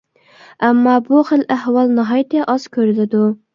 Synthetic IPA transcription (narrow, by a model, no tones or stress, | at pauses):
ɛmːɑbuχəlʔæhwɑlˠnɨɦɑjt̪ɛʔɑz̥kʲʰøɾɪlɪd̪u